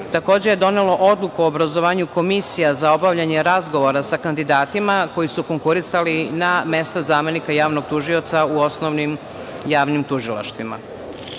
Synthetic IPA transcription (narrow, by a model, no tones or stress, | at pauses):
t̪ako̞ːd͡ʑeje̞d̪o̞nelo̞ʔo̞d̪lˠukuoːbɾazoʋaːɲuko̞misijazao̞baʋʎaɲe̞ɾazɡo̞ʋoɾasakand̪id̪aːt̪imako̞jisuko̞ŋkuɾisaliname̞st̪azaːme̞nikajaːʋnoɡ̚t̪uʒio̞t̪sauo̞snoʋnim | jaːʋnimt̪uʒilˠa̰ʃt̪ʋima̰